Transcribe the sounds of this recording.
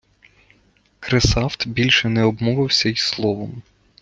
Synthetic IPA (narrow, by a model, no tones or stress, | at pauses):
kɾesɑwt̪bʲilʲʃɛnɛɔbmɔʋɪwsʲɐislˠɔʋɔm